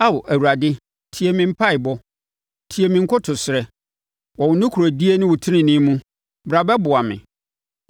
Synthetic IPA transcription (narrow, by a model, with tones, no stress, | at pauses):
a˦wʊ˨ʔæ˨wu˨ɾa˨dɪ˦ | tʰi˨e˨mɪ̃˨m̩˦pʰa˦ɪ˨bɔ˦ | tʰi˨e˨mĩ˨ŋ̩˦kʰʊ˦tʰʊ˨sɪ˨ɾɛ˨ | wɔ˨wʊ˨nʊ̃˦kʰu˨ɾo˨di˦e˦nɪ̃˦wʊ˨tʰɪ˦nɪ̃˨nɪ̃˦mũ˦ | bɾa˨bɛ˦bʊ˨a˨mɪ̰̃˨